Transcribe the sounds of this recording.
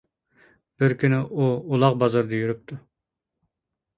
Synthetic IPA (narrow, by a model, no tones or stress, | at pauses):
b̥ɪɾkʲʰynɪʔuulˠɑqbɑzɑɾd̪ɑjyɾyp̚t̪ʰu